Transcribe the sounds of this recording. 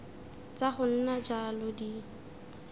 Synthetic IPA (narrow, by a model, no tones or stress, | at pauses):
t͡saχʊn̩nad͡ʒalɔdi